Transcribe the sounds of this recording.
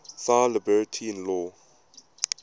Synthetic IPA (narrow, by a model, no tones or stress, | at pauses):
salɪbɛɹtʰiɪ̃nlɔː